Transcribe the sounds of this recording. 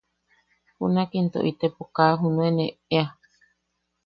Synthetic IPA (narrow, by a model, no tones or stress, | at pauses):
pṵnakint̪o̰ʔit̪epokaːɦunũeneea